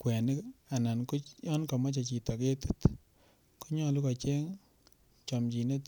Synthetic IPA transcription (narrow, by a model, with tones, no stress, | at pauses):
kwɛ˨nɪ˦ka˨na˨nku˦jɔ˦nka˨ma˦t͡ʃa˨t͡ʃi˨tɔ˨ke˦tu˦t | ku˦ɲɔ˦lu˦ka˨t͡ʃe˦ŋ | t͡ʃɔ˨mt͡ʃi˨ne˦t